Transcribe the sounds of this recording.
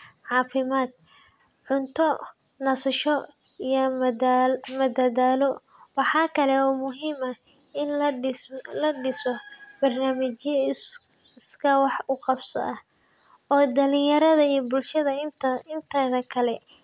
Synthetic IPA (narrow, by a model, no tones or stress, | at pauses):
ʕɑːfɪmaːd̪̚ | ʕʊnt̪ʰɔ | nɐsɐʃɔ | ijɐ | mɐd̪ɐðaːlɔ | wɑħɑːkʰɐlɛɔːmʊɦiːmɐ | ɪn | lɐɖɪsɔb̥ɐrnaːmɪt͡ʃjɐ | skʰɐwɑħʊqɑbsɐ̰ʔɐh | ɔːd̪ɐlɪ̃jɐɾɐðɐijɔbʊlʃɐðɐɪnt̪ʰɐðɐkʰɐlɛ